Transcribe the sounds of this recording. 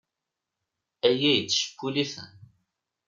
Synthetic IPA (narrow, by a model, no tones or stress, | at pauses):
æjæjət͡sːʃə̥kːuliθə̰n